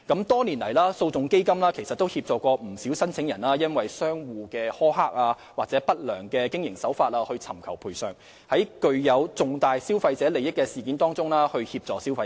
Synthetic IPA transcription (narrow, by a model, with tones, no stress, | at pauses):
kɐ˨˥mt̪ɔː˥niː˨˩nlɐ˨˩jlaː˥so˧wt͡sʊ˨ŋke˥jkɐ˥mlaː˥kʰe˨˩jsɐ˨t̪̚ːo˥whiː˧p̚t͡sɔː˨kɔː˧m̩˨˩siː˨˥wsɐ˥nt͡sʰɪ˨˥ŋjɐ˨˩nlaː˥jɐ˥nwɐ˨jsœː˥ŋwuː˨˧kɛː˧hɔː˥haː˥k̚aː˧ | waː˨k̚t͡sɛ˨˥pɐ˥t̚lœː˨˩ŋkɛː˧kɪ˥ŋjɪ˨˩ŋsɐ˨˥wfaː˧t̚aː˧hɵ˧ɥt͡sʰɐ˨˩mkʰɐ˨˩wpʰuː˨˩jsœː˨ŋ | hɐ˨˥jkɵ˧ɥjɐ˨˧wt͡sʊ˨ŋt̪aː˨jsiː˥wfɐ˧jt͡sɛː˨˥le˨jɪ˥kːɛː˧siː˨k̬iː˨˥nt̪ɔː˥ŋt͡sʊ˥ŋlaː˥hɵ˧ɥhiː˧p̚t͡sɔː˨k̚siː˥wfɐ˧